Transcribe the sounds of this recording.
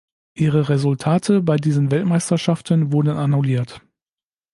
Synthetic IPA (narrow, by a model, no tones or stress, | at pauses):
ʔiːʁ̞əʁezʊltʰaːtʰəbaɪdiːzənvɛltmaɪstɐʃaftənvʊɐdən̩ʔanuliːɐt